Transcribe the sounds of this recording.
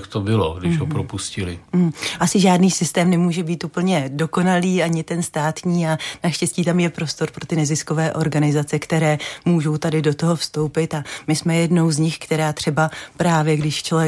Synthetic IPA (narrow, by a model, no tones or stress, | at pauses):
kt̪obɪlo̰ɡdɪʒɦopɾopuscɪlɪʔasɪʒaːdniːsɪst̪ɛːmnɛmuːʒɛbiːt̪uːpl̩ɲɛdo̞ko̞naliːʔaɲɪt̪ɛnst̪aːt̪ɲiːanaʃcɛsciːt̪amjɛpɾo̞st̪o̞ɾpɾo̞t̪ɪnɛzɪsko̞vɛːʔo̞ɾɡanɪzat͡sɛkt̪ɛɾɛːmuːʒo̞wt̪adɪdo̞t̪o̞ɦo̞fst̪o̞wpɪt̪amɪsmɛjɛdno̞wzɲɪxkt̪ɛɾaːt̪r̝̥ɛbapɾaːvjɛɡdɪʃt͡ʃol